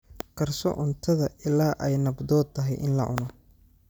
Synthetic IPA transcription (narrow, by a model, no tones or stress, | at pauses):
kʰɐrsɔ̰ʕʊnt̪ʰɐðɐʔɪlaːʔɛjnɐbd̪ɔːd̪̚ʰɐɦɛjʔɪ̰nlɐ̰ʕʊ̰nɔ